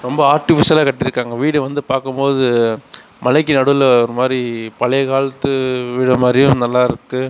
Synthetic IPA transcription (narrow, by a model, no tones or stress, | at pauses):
ɾɔmbɐaːɾʈɪfɪsɐlaːkɐʈːɪɾɯkːaːŋɡɐʋiːɽɯʋɐnd̪ɯpaːɾkɯmpoːðɯ | mɐlɐɪk̬ːinɐɽɯlɔɾɯmaːd̪ɾipɐlɐkaːɭɐt̪ːɯʋɪɽɐmaːd̪ɾɪjɯ̃mnɐlːaːɪɾɯkːɯ